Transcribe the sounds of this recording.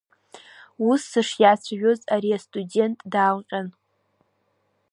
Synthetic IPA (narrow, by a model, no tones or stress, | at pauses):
usːɨʂjat͡sʷʰaʒᶣozaɾiastʼudʲe̞ntʼdaːlqʲʼan